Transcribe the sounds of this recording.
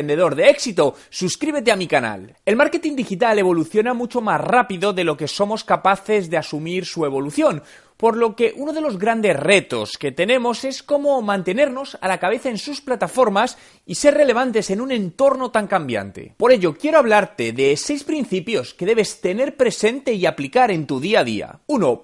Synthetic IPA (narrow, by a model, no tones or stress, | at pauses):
nd̪eðo̞ɾðeeksit̪o̞ | suskɾiβ̞e̞t̪̬e̞amikana̰l | e̞lmaɾke̞t̪ind̪ixit̪ale̞β̞o̞luθjo̞namut͡ʃo̞mazrapiðo̞ðe̞lo̞ke̞so̞mo̞skapaθe̞zðe̞asumiɾsue̞β̞o̞luθjo̞n | po̞ɾlo̞ke̞ʔuno̞ð̞e̞lo̞zɣɾand̪e̞sre̞t̪o̞̰ske̞t̪e̞nẽ̞mo̞se̞sko̞momãnt̪e̞ne̞ɾno̞sa̰lakaβ̞e̞θae̞nsusplat̪afo̞ɾmas | ise̞rele̞β̞ant̪e̞se̞nunẽ̞nt̪o̞ɾno̞t̪aŋkambja̰nt̪e̞̰poɾe̞ʝo̞kje̞ɾoaβ̞laɾt̪e̞ðe̞se̞jspɾin̟θipjo̞ske̞ðe̞β̞e̞st̪e̞ne̞ɾpɾe̞se̞nt̪e̞iaplikaɾe̞nt̪uðiað̞ḭa̰uno̞